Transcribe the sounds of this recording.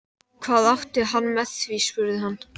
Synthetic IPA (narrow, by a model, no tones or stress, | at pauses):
kʰvaːðawt̪ɪɦanːmɛðθvispʏɾðɪɦanː